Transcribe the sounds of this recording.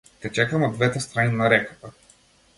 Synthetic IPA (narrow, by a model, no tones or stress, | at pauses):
t̪ʲɛt͡ʃɛkamɔd̪vɛt̪ɛst̪ɾaninaɾɛkḁt̪a